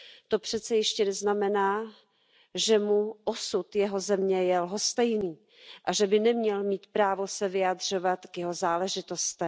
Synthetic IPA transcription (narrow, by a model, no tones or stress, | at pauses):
t̪o̞pr̝̥ɛt̪t͡sɛjɛʃcɛnɛznamɛnaː | ʒɛmuʔosut̪jɛɦo̞zɛmɲɛjɛlɦost̪ɛjniː | ʔaʒɛbɪnɛmɲɛlmiːt̪pɾaːvo̞sɛvɪad̪r̝o̞vat̪kjɛɦozaːlɛʒɪt̪o̞st̪ɛ